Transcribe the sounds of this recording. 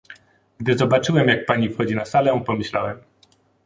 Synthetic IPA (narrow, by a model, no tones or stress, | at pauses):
ɡd̪ɘzɔbat͡ʂɘwɛmjak̚paɲifxɔd͡ʑinasalɛpɔmɘɕlawɛm